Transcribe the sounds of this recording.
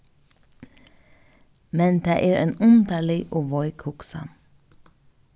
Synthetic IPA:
mɛnd̪æːʔæːɾeːnʊnd̪ɑɭɪʔoːʋɔʏkʰʊksə̰

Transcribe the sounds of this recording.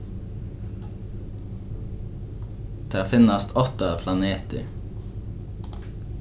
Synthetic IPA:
d̪̥ʰeːɑːfɪnɑst̪ʰɔt̪ɑpʰlɑneːt̪ə̰

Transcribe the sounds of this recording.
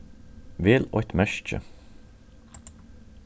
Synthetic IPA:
ʋɪlɔt̪mæʃt͡ʃə̰

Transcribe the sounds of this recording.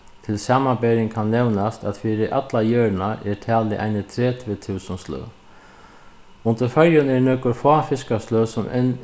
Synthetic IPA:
t̪ʰɪlsaːmabɛːɾɪŋkʰanːɛwnast̪aðfiːɾɪʔa̰t̪lajœːɹnaɛɹt̪ʰæːlɪʔa̰jnɪt̪ʰɾɛːt̪ʰvɪt̪ʰuːsənslœ̰w | ʊnt̪əɾfœɾjʊnɛɹnɛːkʊɾfɔːfɪskast̪lœwsʊmʔɛ̰n

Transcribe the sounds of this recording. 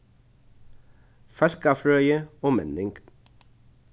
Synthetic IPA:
fœlkɑːfɾœʏəoːmɛnɪŋɡ

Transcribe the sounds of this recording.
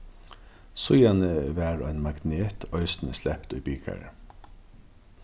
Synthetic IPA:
sʊjɑnəʋæːɹo̰ːæɪnmɑɡneːt̪ʰœʏst̪n̩əslɛpt̪œʏbiːkʰæ̰ɹ

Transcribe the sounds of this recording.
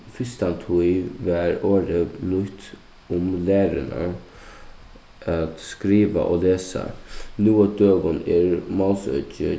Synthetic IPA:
fɪst̪ɑnt̪ʰʊɪʋæːɾoːɾəblʏt̪ | ʊmlæːɾənə̰ | ɑt̪skɾiːʋə̰ʔoːleːsə̰nuːəd̪øːɡɔneːɾmɑlsœ̰cə̰

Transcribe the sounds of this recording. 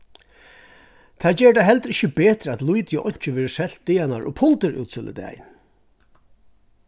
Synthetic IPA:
t̪ʰaːd͡ʒɛːɹəɖaɦɛlt̪ɾɪçəbeːt̪ɾəat̪lujt̪jəʔɔ̰ɲ̥t͡ʃəʋeːɾəsɛl̥t̪̚d̪ɪːanaɹʔɔ̰pʰʊlt̪əɾṵːt̪sɪlə̰d̪a̰j̰n

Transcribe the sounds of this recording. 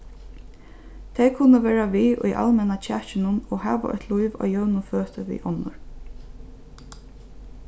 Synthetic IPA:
t̪ʰɛjkʰʊnːəʋɛːɹaʋiːʔʊ̰jʔa̰lmɛnat͡ɕʰæːt͡ʃɪnʊnɔːɦɑ̰ːʋa̰ʔœ̰t̪ʰluɪʋɑ̰ːjœwnʊføːt̪əʋḭːʔɔnːʊ̰ɹ

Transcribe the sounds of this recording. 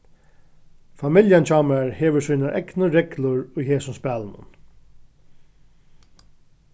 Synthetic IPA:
famɪljant͡ʃʰɑːmɾaɹheːʋəsiːnaʔɛ̰knəɾɛklʊɹʊjheːsʊnspæːlənʊ̰n

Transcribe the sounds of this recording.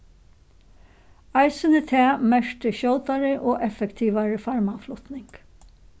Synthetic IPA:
ajsɪnət̪ʰɛːmɛʂt̪əɕɔwt̪aɾəʔɔːʔɛfɛkt̪ʰiːʋaɹəfaɹmaflʊt̪nɪŋk

